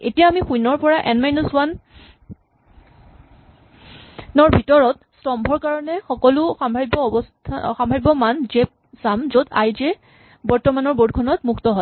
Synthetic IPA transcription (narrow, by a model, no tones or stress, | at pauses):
ḛtijaːmixujnɔɹpɔɹaʔɛnmajnuswan | nɔɹbʱitɔɹɔt | stɔmbʱɔɹkaɹɔnɛxɔkɔlʊxambʱabbɔbɔstʰaxambʱabbɔmanzep̚ | samzoda̰jzɛ | bɔɹtɔmanɔɹbodkʰɔnɔtmuktɔɦɔ